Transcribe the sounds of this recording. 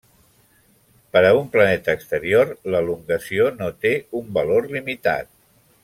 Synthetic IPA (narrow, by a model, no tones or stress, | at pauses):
pəɾəumplənɛt̪əːkst̪əɾiorləluŋɡəsionot̪eumbəlorlimit̪a̰t̪̚